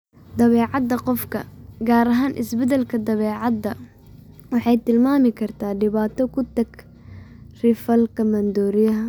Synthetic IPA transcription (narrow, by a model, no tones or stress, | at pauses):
d̪ɐβɛːʕɑd̪ːɐqɔfkʰɐ̰ɡaːɾɐɦaːnʔɪ̰sbɛðɛlkʰɐd̪ɐβɛːʕɑd̪ːɐ | wɑħɑjt̪ʰɪlmaːmɪkʰɐrt̪ʰaːɖɪβaːt̪ʰɔkʰʊt̪ʰɐɡ | rɪfɐlkʰɐmɐnd̪ɔːɾɪjɐɦɐ